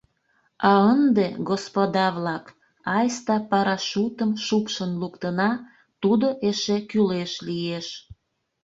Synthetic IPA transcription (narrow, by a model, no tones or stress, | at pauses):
ɑənd̪eɡospod̪ɑβlɑk | ɑjst̪ɑpɑɾɑʃut̪əmʃupʃənlukt̪ənɑ | t̪ud̪oʔeʃekyleʃlijeʃ